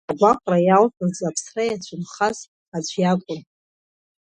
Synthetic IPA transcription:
aɡʷaqʷʼrajaltʰɨzapʰsrajat͡ɕʷʰʊnχaz | at͡ɕʷʰʼjakʷʼʊm

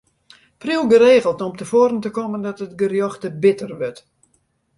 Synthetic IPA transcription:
priwˠɡəɾeːɣəlˠtɔmtəfoːɾəntəkoməndɔtət̚ɡərjoxtəbɪtərʋøt

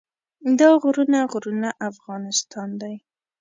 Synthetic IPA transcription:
d̪ɑɣɾunaɣɾunaʔafɣɑnɪst̪ɑnd̪aj

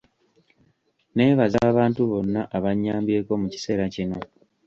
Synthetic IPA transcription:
ne̞ːβazaːβaːntuβo̞nːaʔaβaɲːaːmbje̞ːko̞muci̥se̞ːɾacino̞

